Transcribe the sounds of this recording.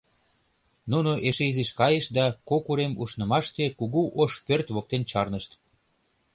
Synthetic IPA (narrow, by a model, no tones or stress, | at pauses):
nunoʔeʃeiziʃkɑjeʃd̪ɑkokuɾemṵʃnɤ̆mɑʃt̪ekuɣuʔoʃpørt̪βok̚t̪ent͡ɕɑrnəʃt̪